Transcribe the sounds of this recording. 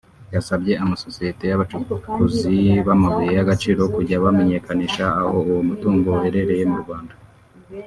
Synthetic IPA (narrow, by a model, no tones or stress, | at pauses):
jasabɟe̞amasosijete̞jaβat͡ʃukuziβamaβujejaɡat͡ʃiːɾo̞kuɟaβame̞ɲe̞kaniːʃaːho̞uwomutuːŋɡohe̞ɾe̞ɾe̞je̞muɾuɡβwaːnda